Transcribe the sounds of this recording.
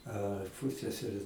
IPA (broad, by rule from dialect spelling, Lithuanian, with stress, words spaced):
ɐ ˈpʊsʲɛsʲɛrʲeː